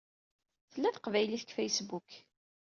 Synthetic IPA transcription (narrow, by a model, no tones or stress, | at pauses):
θəlːæθə̥qvæjliθəkfæjsbuk